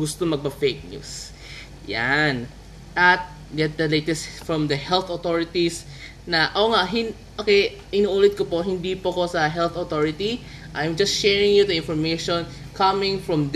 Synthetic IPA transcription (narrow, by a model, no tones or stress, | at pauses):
ɡʊst̪omɐɡ̚pɐfejk̚ɲṵs | ja̰n | ʔɐt̪̚ | ɡɛt̪̚d̪ɐlejt̪ɛst̪fɹɔ̃md̪ɐhɛlθot̪oɹɪt̪is | nɐʔoŋaʔɦɪn | ʔokɛj | ʔɪnuːʔuːlɛt̪̚kopoɦɪnd̪ipoɐko̞sɐɦɛlθot̪oɹɪt̪i | ʔajmd͡ʒɐst̪ʃɛɹɪ̃ŋjud̪ɐɪ̃nfɔɹmejʃon | kɐmɪŋfɹɐmd̪